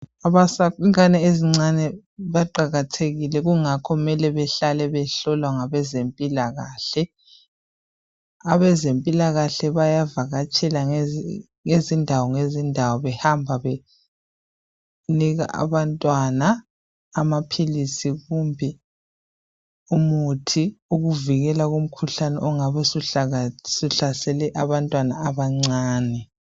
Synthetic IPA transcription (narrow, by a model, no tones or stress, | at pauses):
aβasakiŋanɛeziŋ͡ǀanɛ | βaǃaɣatʰeɣilɛɣuŋakʰɔmɛlɛβɛɬalɛβɛɬɔlwaŋaβɛzempʼilaɣaːɬɛ | aβɛzempʼilaɣaɬɛβajavaɣat͡ʃʼʰɛla | ŋezindʱawɔŋezindʱawɔβɛhambʱaβe | niɣa̰ʔa̰βantʼwanaː | mapʰilisiɣumbʱi | umutʰiuɣuviɣɛlaɣum̩kʰuɬanɛ̰ʔɔŋaβɛsu | suɬasɛlɛʔaβantʼwanaːβaŋ͡ǀaːnɛ